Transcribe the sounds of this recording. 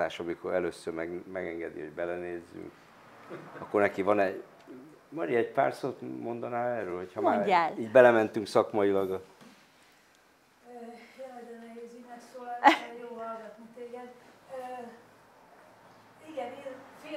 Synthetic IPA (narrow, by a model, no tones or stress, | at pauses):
aːʃɒmikoɾɛløːsːørmɛɡmɛɡɛŋɡɛd̪ḭɦo̞̰ɟbɛlɛneːzːy̰ŋk | ɒkːo̞rnɛkivɒnɛ | mɒɾiɛɟpa̰ːrsoːt̪mo̞nd̪ɒnaːlɛrøːlho̞cʰhɒmaːɲːaːliːɟbɛlɛmɛnt̪yŋksɒkmɒilɒɡɒ | øjɛlɛd̪ɛnɛɦeːzynɛksoːlaɛjoːɦɒlɡɔt̪muŋt̪eːɡɛd̪øː | iɡɛnenfeː